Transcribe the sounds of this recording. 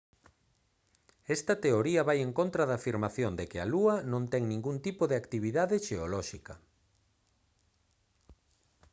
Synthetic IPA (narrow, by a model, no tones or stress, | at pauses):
ɛst̪ɐt̪eoɾiɐβajeŋkõnt̪ɾɐðaːfiɾmaθjond̪ekɪaluɐnõnt̪ɛŋnĩŋɡunt̪ipoðeakt̪iβ̞iðaðɪʃeolɔʃikɐ